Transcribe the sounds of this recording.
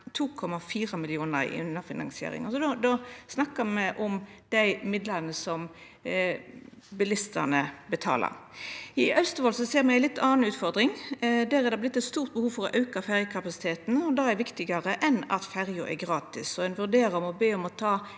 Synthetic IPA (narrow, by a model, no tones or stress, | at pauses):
t̪ʰuːkʰɔmɑfiːʁəmɪlɪuːnəɾɪ̰ʉnːəfɪnɑ̰ŋsɪḛːɾɪ̰ŋɔsɔd̪od̪osnɑkːəmɛʔʊmd̪̥æɪmɪd̪ləʁnəsɔm | bɪlɪst̪ə̰nəbət̪ʰɑ̰ːlə̰ɾɪʔœst̪əʋɔːlsɔseːɾmɛɪænlɪt̪ːɑːnʉːt̪fɔɾd̪ɾɪŋd̪æːɾæɾd̪ɛblɪt̪ːɛt̪st̪uːʁt̪̚bəhuːʋfɔɾɔʔɑʉkɑfæʁjəkʰɑpɑsɪ̥t̪ʰeːt̪n̩ɔd̪ɑːɛɾʋɪkt̪ɪɡəʁəʔɛnɑ̰t̪fæɾjʊʔɛ̰ɡɾɑːt̪ɪsɔɛnʋʉɾd̪eːɾəɔmɔbeːɔmɔt̪ʰɑː